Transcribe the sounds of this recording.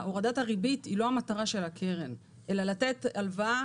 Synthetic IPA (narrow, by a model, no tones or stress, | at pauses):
oʁadathaʁibitilo̞ɦamat̪aʁaʃe̞lakʰeʁen | ʔe̞lalat̪e̞t̪alvaa